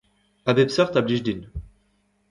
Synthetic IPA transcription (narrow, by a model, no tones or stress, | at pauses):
abɛbsœʁt̪abliʒd̪in